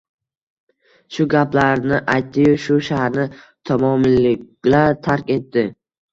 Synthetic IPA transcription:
ʃʊɡʲaplaɾnɪʔajt̪ːɪjoʃʊʃahaɾnɪ | t̪ʰɒmɒmlɪkʲ | laɾt̪ʰaɾkʲe̞t̪ːɪ

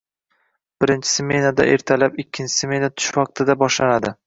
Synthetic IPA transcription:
b̥ɪɾɪnt͡ʃʰɪ̥sɪmʲe̞nad̪a̰ʔe̞̰ɾt̪ʰalapɪkʲʰːɪnt͡ʃʰɪ̥semʲe̞nat̪ʰʊ̥ʃvɑq̚t̪ʰɪd̪abɒʃlanad̪ɪ

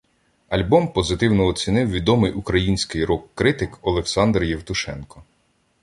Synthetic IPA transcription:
ɐlʲbɔmpɔzɪt̪ɪwnɔːt͡sʲinɪwʋʲid̪ɔmɪjʊkɾɐjinʲsʲkɪjɾɔkːɾɪt̪ɪkɔlˠeksɑnd̪rjɛwt̪ʊʃɛ̰nkɔ

